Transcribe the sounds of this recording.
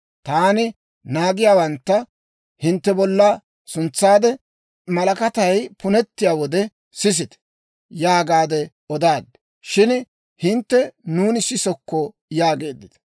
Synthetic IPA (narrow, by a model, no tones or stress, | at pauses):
t̪aːnɪ | naːɡɪjaːwɐnt̪ːɐ | hɪnt̪ːɛbɔlːa | sʊnt͡sːaːd̪ɛ | mɐlɐkɐt̪ɐjpʊnɛt̪ːɪjaːwɔd̪ɛ | sɪs̬ɪt̪ɛ̥ | jaːɡaːd̪ɛ | ɔd̪aːd̪ːɛ | ʃɪn | hɪnt̪ːɛnuːnɪsɪsɔkːɔ | jaːɡe̞ːd̪ːɪt̪ɐ̥